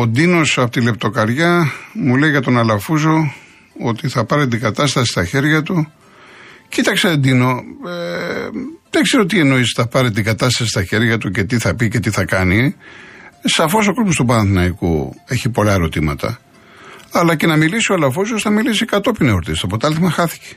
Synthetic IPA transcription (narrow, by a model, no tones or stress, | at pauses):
od̪ino̞sɐpot̪ile̞p̚t̪o̞kɐɾʝɐmule̞jʝɐt̪o̞nɐlɐfuzo | o̞t̪iθɐpɐɾet̪̬iɡɐt̪ɐst̪ɐsist̪ɐçe̞ɾʝɐt̪u | cit̪ɐkseðed̪ino̞e | ðeɡseɾiot̪ie̞no̞isθɐpɐɾet̪̬iŋɡɐt̪ɐst̪ɐsist̪ɐçe̞ɾʝɐt̪uce̞t̪iθɐpice̞t̪iθɐkɐni | sɐfo̞so̞kozmost̪upɐðɐnθinɐikṵe̞çipo̞lɐeɾo̞t̪imɐ̰t̪ɐ̰ | ɐlɐce̞nɐmilisio̞ɐlɐfuzosθɐmilisikɐt̪o̞pineoɾt̪ist̪ɐpot̪ɐɐlθmɐxɐθi̥ce̥